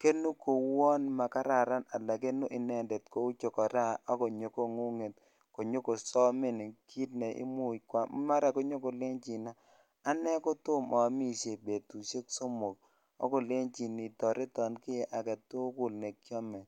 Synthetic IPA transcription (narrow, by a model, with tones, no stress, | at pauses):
ke˦nu˦ko˨wɔ˦nma˨ka˦ɾa˨ɾa˦na˨la˨ke˦nu˦ʔɪ˨nɛ˦˨ndɛ˨tko˨˦ʊ˦t͡ʃo˨kɔ˨ɾa˦ɔ˦kɔ˨ɲo˨ko˦ŋu˦ŋe˨t | ko˨ɲo˦ko˨sɔ˦mɪ˦n˨kʰi˦tnɛ˨ʔɪ̰˦mu˦˨kwa˨˦ma˦ɾa˨ko˦ɲo˦ko˨lɪ˦ŋt͡ʃi˨naː˨˦ | nɛ˦kɔ˦tʊ˦mɔ˨a˨mi˦ʃe˨be˨tu˨ʃe˦kso˦mo˨k̚ | ɔ̰˦kɔ˨le˦nt͡ʃi˨ni˨tɔ˨ɾe˦tɔ˨nkɪ˦je˦ʔa˨kɛ˨to˦kʊ˦˨lne˨kjɔ˦mɛ˨